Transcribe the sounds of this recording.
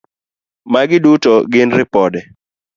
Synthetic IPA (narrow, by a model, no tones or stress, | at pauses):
maɡɪdutɔɡɪnɾɪpɔdɛ